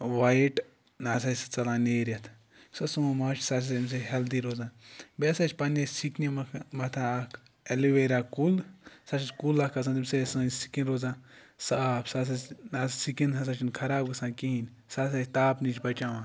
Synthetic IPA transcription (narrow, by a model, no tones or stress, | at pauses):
ʋaiʈ | naːs̬ɐst͡sɐlãːneːɾɐt̪ʰ | sɐsumɐmaːt͡ʃʰsaːs̬ɐims̬eɦɐld̪iɾoːzãːnbesɐt͡ʃʲpɐnesiknʲimmɐt̪ʰãːk | eliʋeːɾʲaːkulsat͡ʃʰit͡ʃʲkulakʰɐs̬ɐnt̪imsesɨsi̥kĩnɾoːzãː | sapsaːs̬ɐnaːssikinɦɐs̬at͡ʃʰinkʰɐɾaːbɡɨsãːnkiɦinʲ | saːs̬ɐt̪aːpnit͡ʃʰʲbɐt͡ʃaːʋãː